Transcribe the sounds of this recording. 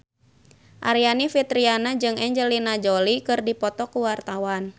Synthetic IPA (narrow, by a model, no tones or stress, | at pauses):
ʔaɾianifit̪ɾianad͡ʒɨŋɛɲd͡ʒɛlinad͡ʒɔlikɨrdipɔt̪ɔkuwart̪awan